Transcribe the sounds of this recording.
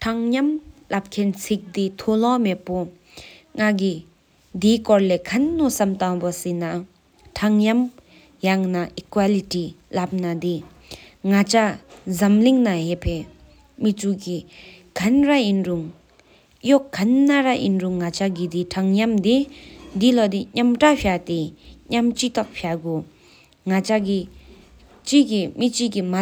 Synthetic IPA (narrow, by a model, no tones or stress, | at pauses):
ʈʰaŋɲamlap̚kʰensʰik̚d̪it̪ʰolɔ̃mepːo | ŋaɡi | d̪ikɔɹlekʰanːosamt̪ãŋbɔsina | tʰaŋjam | jaŋnaʔikwaliʈilap̚nad̪i | ŋat͡ʃazamliŋnaɦepʰe | mit͡suki | kanrajinruŋ | joʔkanːaɾaʔḭnruŋːat͡ɕaɡid̪iʈ͡ʂʰaŋjamd̪ed̪ilod̪iɲamʈ͡ʂaɕʰat̪eɲamt͡ɕit̪ɔʔ̚ɕʰaɡo | ŋat͡ɕaki | t͡ɕikimit͡ɕikima